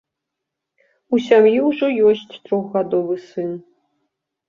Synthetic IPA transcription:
usʲamjiuʐɔjosʲtʲt̪roxɣad̪ovɨsɨn

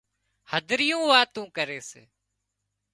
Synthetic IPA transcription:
həd̪ʱɾɪjũːʋaːt̪ũːkəɾeːsḛː

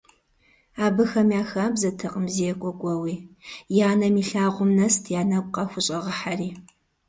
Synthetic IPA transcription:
aːbɨxɐmjaːxaːbzɐtʰɐqʼəmzijɛkʷʼɔkʷʼɔwiːjaːnɐmiːɬaːʁʷʊmnɐstʰjaːnɐkʷqɐxʷʊɕʼɐʁɐħariː

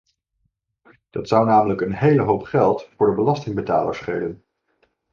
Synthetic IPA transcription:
d̥ɑtsʌwnaːmələkənɦejləɦowpχɛlˠtfʊːɹdəbəlɑstɪŋbəta̰ːlə̰ɹsχejdən

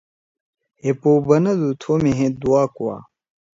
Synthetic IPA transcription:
hepoːbɐnɐd̪ut̪ʰoːmeɦẽd̪uwaːkuwa̰ː

